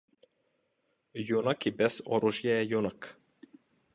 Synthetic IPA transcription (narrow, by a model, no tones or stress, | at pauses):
junakibɛsɔɾuʒjɛjunak